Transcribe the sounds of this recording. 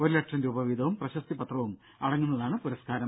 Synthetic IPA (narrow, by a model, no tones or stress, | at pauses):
oɾilɐʈʂɐnduːbɐʋid̪ʱɐʋumprɐɕɐst̪ipɐt̪rɐʋum | ɐɽɐŋːunːɐðaːɳɨpuɾɐskaːɾɐ